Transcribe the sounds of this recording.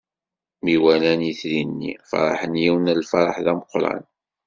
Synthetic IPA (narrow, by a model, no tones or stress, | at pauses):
miwælæniθlinːḭfɑ̰ɾˤɑ̰ħənjiwnælfɑɾˤɑħðæməqɾˤɑ̰n